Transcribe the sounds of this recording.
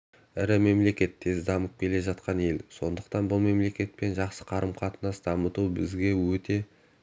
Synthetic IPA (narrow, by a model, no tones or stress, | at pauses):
ɪɾɪme̞mle̞kʲe̞t̪ʰːe̞zd̪ɑməp̚kʲʰe̞le̞ʒɑt̪qɑnje̞lso̞nd̪əqt̪ɑnbʊlˠme̞mle̞kʲe̞t̪̚pe̞nʒɑqsə̥qʰɑɾəmqʰɑt̪ənɑsd̪ɑmət̪ubɪzɡʲe̞wɵt̪e̞